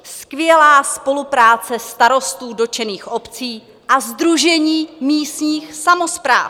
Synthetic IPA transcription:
skvjɛlaːspo̞lupɾaːt͡sɛst̪aɾo̞st̪uːdo̞t͡ʃɛniːxʔo̞pt͡siː | ʔazd̪ɾuʒɛɲiːmiːst̪ɲiːxsamospɾa̰ːf

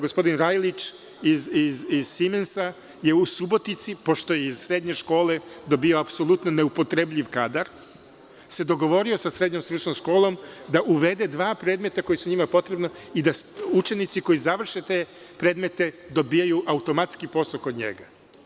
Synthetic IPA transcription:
ɡospo̞d̪inɾajlit͡ʃ | izizizsimensa | je̞usubo̞t̪it̪sipo̞ʃt̪o̞jeiz̥sɾe̞d̪ɲe̞ʃko̞ːled̪o̞bioapso̞lˠut̪none̞upo̞t̪ɾebʎʲiʋkad̪aɾ | se̞d̪o̞ɡo̞ʋo̞ɾiosasɾe̞d̪ɲomst̪ɾut͡ʃnomʃko̞ːlˠo̞md̪aʔuʋe̞d̪e̞d̪ʋaːpɾeːd̪me̞t̪ako̞jisuɲimapo̞t̪ɾe̞bnoid̪aut͡ʃe̞nit̪siko̞jizaʋr̩ʃet̪eː | pɾe̞ːd̪me̞t̪e̞d̪o̞bijajuʔaut̪o̞mat̪skipo̞sokod̪ɲḛɡa

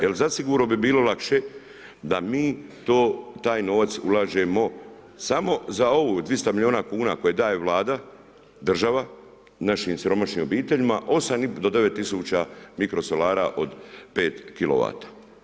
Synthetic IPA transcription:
jelzasiɡuːɾnobibiːlo̞lakʃe̞ | d̪amiːt̪oːt̪aːjno̞ːʋat̪sṵlaːʒe̞mo̞ | samo̞zao̞ʋud̪ʋist̪amilʎʲio̞ːnakuːnako̞jed̪aːjeʋlˠaːd̪a | d̪r̩ʒaʋa | naʃiːmsiɾo̞maʃnimo̞biːt̪e̞ʎimaʔo̞samid̪od̪e̞ʋe̞t̪ːisuːt͡ɕamikɾo̞solaːɾaʔo̞d̪pe̞ːt̪kilo̰ʋa̰ːt̪ḁ

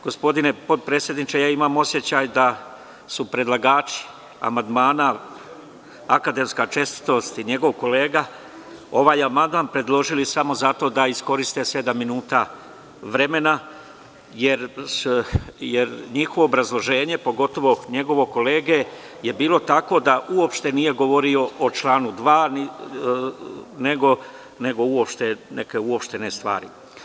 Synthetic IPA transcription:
ɡ̥o̞spo̞d̪ine̞po̞d̪̚pɾeːsjed̪nit͡ʃejaːimaːmo̞sje̞t͡ɕaːjd̪a | supɾe̞d̪lˠaɡaːt͡ʃi̥ | a̰mand̪maːna | akad̪e̞mskat͡ʃe̞st̪i̥t̪o̞st̪iɲe̞ɡo̞ʋko̞le̞ːɡa | o̞ʋaːjamand̪manpɾe̞d̪lˠo̞ʒilisamo̞zat̪o̞d̪aisko̞ɾist̪e̞se̞d̪amːinuːt̪a | ʋɾe̞me̞na | jeɾsjeɾɲixoʋoːbɾazlˠo̞ʒe̞ːɲe̞po̞ɡo̞t̪o̞ʋo̞ɲe̞ɡo̞ʋo̞ko̞leːɡe̞ | je̞biːlo̞t̪ako̞d̪aʔuo̞pʃt̪e̞nije̞ɡo̞ʋo̞ɾio̞ʔot͡ʃlˠaːnud̪ʋaːni | ne̞ɡo̞ | ne̞ɡo̞uo̞pʃt̪e̞ne̞ke̞uopʃt̪e̞ne̞st̪ʋa̰ːɾḭ

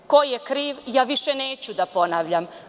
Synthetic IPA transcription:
ko̞jjekɾiːʋjaːʋiʃeneːt͡ɕud̪apo̞naʋʎam

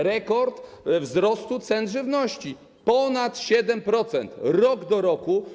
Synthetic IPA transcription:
ɾɛkɔɾt̪vzɾɔst̪ut̪sɛnʐɘvnɔɕt͡ɕi | pɔnat̪ɕɛd̪ɛmpɾɔt̪sɛnt̪ɾɔɡd̪ɔɾɔku

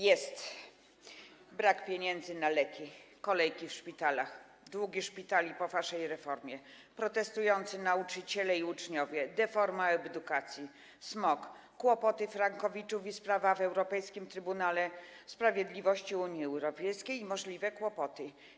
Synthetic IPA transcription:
jɛst̪ | bɾakpʲjeɲɛnd̪zɘnalɛkʲikɔlɛjkʲifʂpʲit̪alax | d̪wuɡʲiʂpʲit̪alʲipɔvaʂɛjɾɛfɔɾmʲjɛ | pɾɔt̪ɛst̪ujɔnt̪sɘnaut͡ʂɘt͡ɕɛlɛiut͡ʂɲɔvʲjɛd̪ɛfɔɾmaɛbd̪ukat̪sʲji | smɔkː | wɔpɔt̪ɘfɾaŋkɔvʲit͡ʂufispɾavavɛwɾɔpɛjskʲimt̪ɾɘbunalɛ | spɾavʲjɛd̪lʲivɔɕt͡ɕiuɲjiɛwɾɔpʲɛjskʲejimɔʐlʲivɛkwɔpɔt̪ɘ

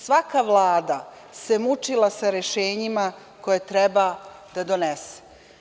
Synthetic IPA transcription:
sʋakaʋlˠaːd̪a | se̞mut͡ʃilˠasaɾeʃeːɲima | ko̞jet̪ɾɛba | d̪̥ad̪onese̥

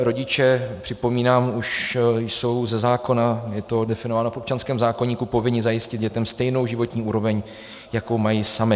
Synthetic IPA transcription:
ɾo̞ɟɪt͡ʃɛpr̝̥ɪpo̞miːnaːmuʃjso̞wzɛzaːko̞najɛt̪o̞dɛfɪno̞vaːnofʔo̞p̚t͡ʃanskɛːmzaːko̞ɲiːkupo̞vɪɲɪzajɪscɪtd̪ɟɛt̪ɛmst̪ɛjno̞wʒɪvo̞t̪ɲiːʔuːɾo̞vɛɲ | jako̞wmajisamɪ

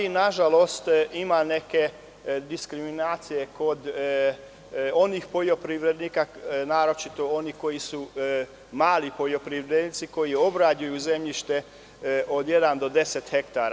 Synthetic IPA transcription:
inaʒalo̞st̪imane̞ke̞ | d̪iskɾiminaːt̪sije̞ko̞d̪ | o̞nixpoʎopɾiʋɾed̪nikanaːɾo̞t͡ʃit̪o̞o̞niko̞jisu | maːlipo̞ʎo̞pɾiʋɾeed̪nit̪siko̞jio̞bɾad͡ʑujuze̞mʎiʃt̪e̞ | ʔo̞d̪je̞d̪and̪o̞d̪e̞set̪xe̞kt̪aːɾa

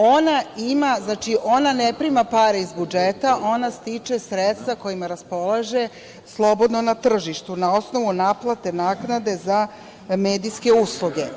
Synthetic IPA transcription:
o̞naimaznat͡ʃiʔo̞nanepɾimapaɾeizbud͡ʒe̞t̪aʔo̞nast̪it͡ʃe̞sɾet̪st̪vako̞imaɾaspo̞lˠaʒe̞ | slˠo̞bo̞d̪nonat̪r̩ʒiʃt̪unao̞sno̞ʋunaːplˠat̪e̞naːknad̪e̞za | me̞ːd̪iske̞uslˠuɡe̞

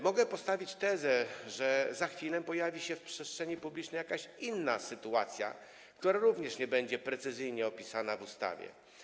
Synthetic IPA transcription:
mɔɡɛpɔst̪avʲit͡ɕt̪ɛzɛʐɛzaxfʲilɛpɔjavʲiɕɛfpʂɛstʂɛɲipublʲit͡ʂnɛjakaɕinːasɘt̪uat̪sʲja̰ | k̚t̪uɾaɾuvɲɛʂɲɛbɛɲd͡ʑɛpɾɛt̪sɘzɘjɲɛɔpʲisanavust̪a̰vʲjɛ̰

